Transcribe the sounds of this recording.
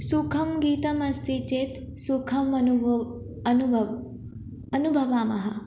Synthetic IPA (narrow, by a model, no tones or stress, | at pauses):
sukʰɐmɡiːt̪ɐmɐst̪ʰit͡ʃeːt̪ | sukʰɐmɐu | nu | ɐnubʱɐʋaːmɐɦɐ̰